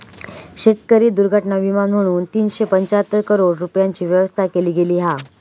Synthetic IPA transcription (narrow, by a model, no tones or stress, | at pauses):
ɕet̪kəɾiːd̪uɾɡʱəʈɳaʋimanm̤əɽ̃uːnt̪iːnɕepəɲt͡ɕaɦət̪ːəɾkəɾoɽɾupjaɲt͡ɕiːʋjəʋəst̪ʰakeliːɡʱeliːɦa